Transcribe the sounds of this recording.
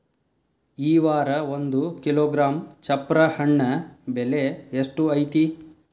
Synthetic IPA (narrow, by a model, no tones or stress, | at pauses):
iːʋaːɾɐond̪ukiloːɡɾaːmt͡ʃɐpːɾɐhɐɳːɐbeleeʂʈuɐjt̪i